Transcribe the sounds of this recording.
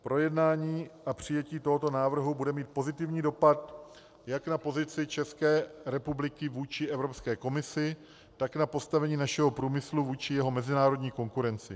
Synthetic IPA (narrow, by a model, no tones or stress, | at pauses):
pɾo̞jɛdnaːɲiːapr̝̥ɪjɛciːt̪o̞ɦo̞t̪o̞naːvr̩ɦubudɛmiːt̪̚po̞zɪt̪ɪvɲiːdo̞pat̪ | jaknapo̞zɪt͡sɪt͡ʃɛskɛːɾɛpublɪkɪvuːt͡ʃɪʔɛvɾo̞pskɛːko̞mɪsɪ | t̪aknapo̞st̪avɛɲiːnaʃɛɦopɾuːmɪsluvuːt͡ʃɪjɛɦo̞mɛzɪnaːɾo̞dɲiːko̞ŋkuɾɛnt͡sɪ̰